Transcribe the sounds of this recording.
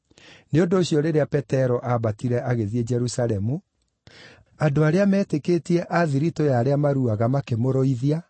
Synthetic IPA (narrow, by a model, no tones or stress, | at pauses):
neondoːɕjɔɾeɾeapɛtɛɾɔʔaβatiɾɛʔaɣeðied͡ʒɛɾusaɾɛmu | adoaɾeamɛːtekeːtiɛʔaðiɾitojaɾeamaɾuaɣamakemoɾɔiðia